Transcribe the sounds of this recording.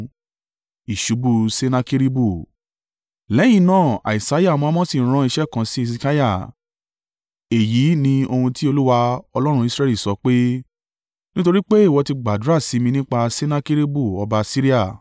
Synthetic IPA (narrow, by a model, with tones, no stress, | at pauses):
i˨ʃu˨˦bu˧se˦na˦ki˦ɾi˦bu˦˨ | lɛ˨˦j̃ĩ˧˦nãː˦˨a̰˨i˨sa˨˦ja˦˨mɔ̃˧˦mɔ̃˦si˦˨˦ɾ̃ã˧˦i˧ʃɛ˦˨kã˨˧si˦i˧si˧ka˦ja˦˨ | e˨ji˨˦nĩ˧o˧hũ˧ti˦o˧lu˦wa˧ɔ˧lɔ˦ɾ̃ũ˧˦i˧sɾɛ˧˦li˦˨sɔ˨˧˦k͡pe˦ | nĩ˦to˧ɾi˦k͡pe˦i˦˨wɔ˧ti˧ɡ͡ba˨du˨˦ɾa˦˨si˨˦mĩ˧nĩ˦k͡pa˧se˦na˦ki˦ɾi˦bu˦˨ɔ˧ba˧si˦ɾi˦a˦˨